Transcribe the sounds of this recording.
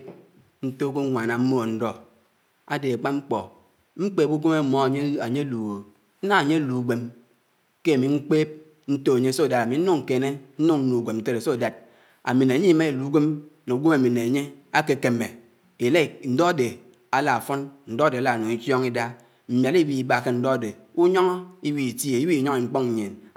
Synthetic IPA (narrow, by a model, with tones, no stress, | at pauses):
n̩˦to˦ko˦ŋʷa˨na˨m̩˦mo˦˨n̩˦dɔ˦ | a˦de˨a˨k͡pa˦ŋ͡m̩˦k͡pɔ˨ | ŋ͡m̩˦k͡peː˦˨pu˦ɡe˦me˦mo˦˨˦a˨ɲe˦lu˨ɣo˨ | n̩˦na˦a˨ɲe˦lu˨ɡʷe˨m | ke˦a˨mi˨ŋ͡m̩˦k͡peː˦p̚ | n̩˦to˦a˨ɲe˦˨so˦˨da˨ɾa˨mi˨n̩˦u˦ŋ̩˨ke˨ne˦n̩˦nu˦ŋn̩˦nu˨ɡʷe˨mn̩˦te˦ɾe˨so˦˨da˨d̚ | a̰˨mi˨ne˨ɲi˦me˦e˨lu˨˦ɡʷe˦mne˨u˨˦ɡʷe˦ma˨mi˨ne˨a˨ɲe˦a˦ke˨ke˨me˨ | e˨le˦˨n̩˨dɔ˦a˨de˨ | a˨la˨a˨fɔ˦nn̩˨dɔ˦a˦de˨a˨la˨no˨ŋi˦tjɔ˦ŋi˦da˦ | m̩˨mja˨li˦wi˦i˨ba˦˨ke˦n̩˦dɔ˦a˨de˨ | u˦ɲɔ˦ŋ˦i˦wi˦˨ti˦e˨i˦wi˦˨ɲɔ˦ŋi˨ŋ͡m̩˦k͡pɔ˦ŋ̩˨ɲe˨n